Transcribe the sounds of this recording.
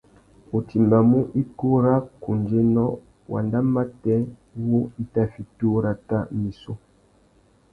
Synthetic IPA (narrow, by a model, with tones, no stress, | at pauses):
o˨tʰi˨mba˨mu˦ʔi˦ku˦ɾa˦ku˨nd͡ʒe˦nɔ˦ | wʔa̰˨nda˦ma˦tɛ˦wo˦i˦ta˦fi˨tu˦ɾa˦ta˦mi˨so˦